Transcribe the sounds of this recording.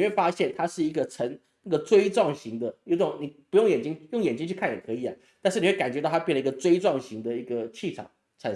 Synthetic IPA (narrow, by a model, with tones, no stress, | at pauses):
we˥˩ɪfa˥ɕjɛ˥˩nt̪ʰa˥ʂɻ̩˥˩i˧˥ɡə˧t͡sʰə˧˥ŋ | na˥˩ɡə˩t͡swe˥ɪʈ͡ʂwɑ˥˩ŋɕi˧˥ŋd̪ə˧jo˧˥t̪ʊ˨˦˩ŋni˨˩pu˧˥jʊ˥˩ŋjɛ˨˩nt͡ɕi˥ŋjʊ˥˩ŋjɛ˨˩nt͡ɕi˥ŋt͡ɕʰy˥˧kʰa˥˩njɛ̰˨˩kʰɤ˧˥i˨˩ɐ˨˦ | t̪a˥˧ʂɻ̩˥˩ni˨˩we˥˩ka˨˩nt͡ɕɥɛ˧˥t̪ɑ˥˩t̪ʰjɛ˥˩lə˩˧i˥ɡə˧t͡swe˥ɪʈ͡ʂwɑ˥˩ŋɕi˧˥ŋd̪ə˧i˧˥ɡə˧t͡ɕʰi˥˩ʈ͡ʂʰɑ̰˨˩˦ŋ | ʈ͡ʂʰə˧˥n